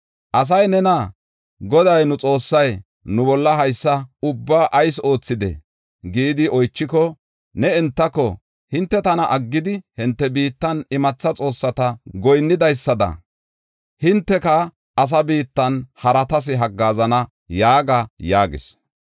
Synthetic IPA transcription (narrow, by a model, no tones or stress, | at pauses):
ʔɐs̬ɐjnɛnɐ | ɡɔd̪ɐjnʊt͡sʼo̞ːsːɐj | nʊbɔlːɐɦɐjsːɐʊbːaːʔɐjso̞ːt͡sːɪd̪ɛ̰ | ɡiːd̪ɪɔjt͡ʃːɪkɔ | nɛɛnt̪ːɐkːɔ | hɪnt̪ːɛt̪ɐnɐʔɐɡːɪd̪ɪhɪnt̪ːɛbiːt̪ːɐnɪmɐt͡sːɐt͡sʼo̞ːsːɐt̪ɐɡɔjnːɪd̪ɐjsːɐd̪ɐ̰ | hɪnt̪ːɛkɐ | ɐs̬ɐbiːt̪ːɐnhɐɾɐt̪ɐs̬ɪɦɐɡːaːzɐnɐ | jaːɡɐjaːɡɪ̰s